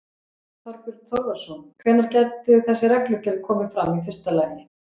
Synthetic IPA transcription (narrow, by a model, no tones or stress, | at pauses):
θaɾpʏɾt̪ʰowɣḁsɔnkʰvɛːnaɾcɛt̪ːʏθɛsːɪrɛklʏcɛðkʰɔːmɪfɾamifɪ̥st̪alaːjvnːɪ